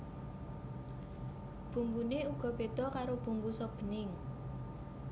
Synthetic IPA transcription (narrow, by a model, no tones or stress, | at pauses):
b̥ṳŋɡuneuɡ̥ɔ̤b̥ed̪̥ɔ̤kaɾob̥ṳŋɡusɔb̥ə̤nɪŋ